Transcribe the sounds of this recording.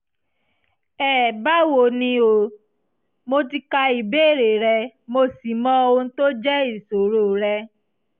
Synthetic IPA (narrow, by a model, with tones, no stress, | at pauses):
ɛ˨ba˦wo˨nĩ˧o˨ | mo˧ti˧ka˧i˨be˦˨ɾe˨ɾɛ˧mo˧si˨mɔ̃˧o˧o˧n̩˦to˦d͡ʒɛ˦i˦˨so˨ɾo˦˨ɾɛ˧